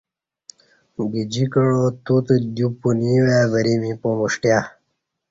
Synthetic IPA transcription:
ɡid͡ʑikəɻot̪ut̪əd̪jupuniwavəɾimipomuʂʈja

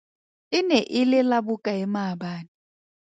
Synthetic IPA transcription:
ɪnɛʔɪlɪlabʊkʼaɛmabaːni

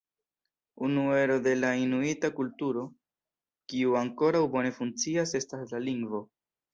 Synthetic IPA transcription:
unue̞ɾo̞de̞lainuitakultuɾo̞ | kiuaŋko̞ɾawbo̞ne̞funt͡siase̞staslaliŋɡvo̞

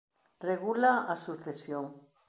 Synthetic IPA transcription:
reɣulaasuθesjoŋ

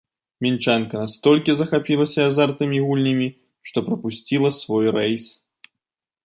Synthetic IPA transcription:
mʲint͡ʂankɐnast̪ɔlʲkʲizɐxapʲilˠɐsʲɐazart̪ɨmʲiɣulʲnʲɐmʲi | ʂt̪ɔpɾɐpusʲt͡sʲilˠɐsvɔjrɛjs

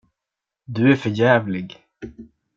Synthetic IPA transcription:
d̪ɵæɾfœɾjæːvlɪɡ

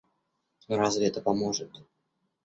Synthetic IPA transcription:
ɾazvʲɪɛt̪əpɐmoʐɨt̪

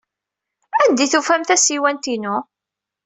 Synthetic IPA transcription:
ænd̪iθufæmθæsiwænt̪inʊ

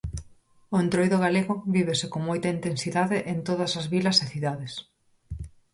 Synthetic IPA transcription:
ʊẽnt̪ɾojðʊɣaleɣʊβiβ̞esɪkoŋmojt̪ɐint̪ensiðaðɪʔent̪oðɐsɐzβilɐseθiðaðes

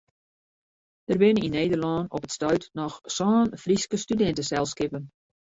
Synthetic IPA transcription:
d̥ərbɪnəninːeːdərlɑnɔ̰pətstœɥtnɔxsɔːnfriskəstydɛntəsɛlˠskɪpən

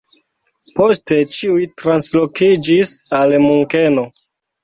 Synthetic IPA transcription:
po̞ste̞t͡ʃiujtɾanslo̞kid͡ʒisalmuŋke̞no̞

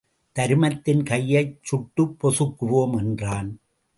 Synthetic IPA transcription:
t̪ɐɾɯmɐt̪ːɪnkɐjːɐɪt͡ʃʊʈːɯpːɔsɯkːɯʋoːmɛndraːn

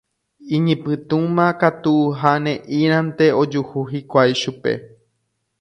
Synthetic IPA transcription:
ĩɲĩpɨ̃t̪ũmãkat̪uɦanẽʔĩɾ̃ãnt̪e̞o̞d͡ʒuhuɦikʷajʃupe̞̰

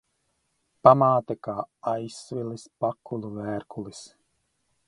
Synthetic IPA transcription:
pamaːt̪ɛkaːajsvilispakʰːulˠuvæːɾkulis

